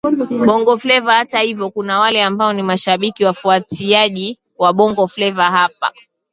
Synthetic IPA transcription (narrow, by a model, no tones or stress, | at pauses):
ɓɔŋɡɔflɛvahatahivjɔkunawalɛambaɔnimaʃaɓikiwafuatiaʄi | waɓɔŋɡɔflɛvaɦapa̰